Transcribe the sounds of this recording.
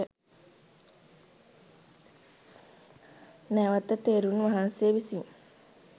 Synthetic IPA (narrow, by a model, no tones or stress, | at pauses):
ə | næʋat̪ət̪eːɾunʋaɦanseːʋisiŋ